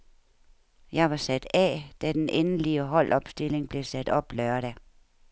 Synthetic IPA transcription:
jɑ̈ɪʋɑ̈sæd̥ɛd̥æd̥enʔenəliəɦɒ̽l̰ʔɒ̽b̥sd̥e̝le̝ŋb̥le̝sæd̥ɒ̽b̥lœɐɾæ

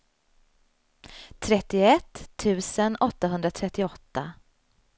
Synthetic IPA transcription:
t̪ʰɾɛt̪ːɪɛt̪ʰːʉ̟ːsənɔt̪ːaɦɵnd̪ɾat̪ʰɾɛt̪ːɪɔt̪ːa

